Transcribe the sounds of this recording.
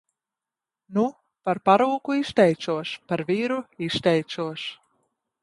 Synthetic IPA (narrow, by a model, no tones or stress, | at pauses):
nu | paɾpaɾuːkuist̪ʲɛj̪suɔʃpaɾvʲiːɾuiʃt̪ʲɛjt̪suɔʃ